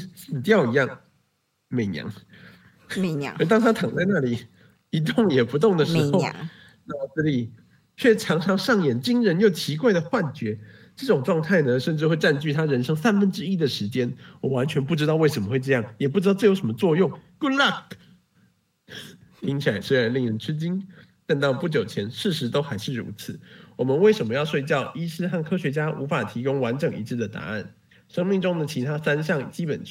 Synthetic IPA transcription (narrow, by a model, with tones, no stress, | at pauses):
sɹ̩˨˩t̪jɑ˥˩ʊi˧˥jɑ˥˩ŋ | me˨˩ɪnjɑ̰˧˥˦ŋ˧˦˧ | t̪ɑ˥ŋt̪ʰa˥t̪ʰɑ˨˩ŋt͡sa˥˧ɪna˥˩li˨˩ | i˧˥t̪̬o˥˩ŋjɛ˨˩pu˧˥t̪ʊ˥˩ŋd̪ə˩ʂɻ̩˧˥xo˥˧ʊ˧˥˩ | t͡s̩˥˧˩li˨˩ | t͡ɕʰɥɛ˥˩ʈ͡ʂʰɑ˧˥ŋʈ͡ʂʰɑ˧˥ŋʂɑ˥˩ŋjɛ˨˩nt͡ɕi˥ŋɻə˧˥njo˥˩ʊt͡ɕʰi˧˥kwa˥˩ɪd̪ə˩xwa˥˩nt͡ɕɥɛ˧˥ | ʈ͡ʂɤ˥˩ʈ͡ʂʊ˨˩ŋʈ͡ʂwɑ˥˧ŋt̪ʰa˥˩ɪnə˨ʂə˥˧nʈ͡ʂɻ̩˥˧xwe˥˧ɪʈ͡ʂa˥˧nt͡ɕy˥˩t̪ʰa˥ɻə˧˥nʂɤ˥ŋsa˥nfə˥nʈ͡ʂɻ̩˥i˥d̪ə˨ʂɻ̩˧˥t͡ɕjɛ˥nwɔ˨˩wa˧˦˥nt͡ɕʰɥɛ˧˥npu˥˩ʈ͡ʂɻ̩˥t̪ɑ˥˧ʊwe˥˩ɪʂə˧˥mə˧xwe˥˧ɪʈ͡ʂɤ˥˧jɑ˥˩ŋjɛ˨˩p̬u˥˩ʈ͡ʂ̩ɻɑ˥˧ʊʈ͡ʂɤ˥˩jo˧˥ʂə˧˥mə˧t͡swɔ˥˧jʊ˥˩ŋku˥la˥˧˩k | t̪ʰi˥ŋt͡ɕʰi˨la˧˥ɪswe˥ɪɻa˧˥nli˥˩ŋɻə˧˥nʈ͡ʂʰɻ̩˥t͡ɕi˥n | t̪a˥˧nt̪ɑ˥˧ʊpu˥˩t͡ɕjo˨˩ʊt͡ɕʰjɛ˧˥nʂɻ̩˥˩ʂɻ̩˧˥t̪o˥ʊxa˧˥ɪʂɻ̩˥˩ɻṵ˧˥t͡sʰɹ̩˨˩˦wɔ˨˩mə˦nwe˥˩ɪʂə˨˩mə˦jɑ˥˧ʊʂwe˥˧ɪt͡ɕjɑ˥˩ʊi˥ʂɻ̩˥˧xa˥˩nkʰɤ˥ɕɥɛ˧˥t͡ɕja˥ʔṵ˧˥fa˨˩t̪ʰi˧˥kʊ˥ŋwa˧˥nʈ͡ʂɤ˨˩ŋi˧˥ʈ͡ʂ̩˥˩d̪ə˩t̪a̰˧˥a̰˥˩n | ʂɤ˥ŋmi˥˩ŋʈ͡ʂʊ˥ŋd̪ə˨t͡ɕʰi˧˥t̪ʰa˥sa˥nɕjɑ˥˩ŋt͡ɕi˥pə̰˨˩n